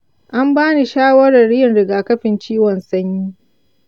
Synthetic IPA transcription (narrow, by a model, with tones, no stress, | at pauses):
ʔa˦mbaː˦ni˨ʃaː˦wɐ˦ɽɐ˨rɪ˦jɪ˨nɽɪ˨ɡaː˨kɐ˦ɸɪ˨nt͡ʃiː˦wɔ˨nsɐ˦ɲjiː˦